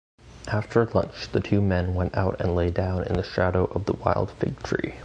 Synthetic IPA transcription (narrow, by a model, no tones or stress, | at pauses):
ʔæftʰə˞ɨlʌ̰̃nt͡ʃðɨtʰʉmɛ̃nwɛ̃nta̰ʊɾɨ̰̃nleɪdãʊ̃nɨ̰̃nðɨʃæɾoʊʔʌvðəwaɪlˠd̥fɪ̰ɡ̚tʰɹ̥ḭ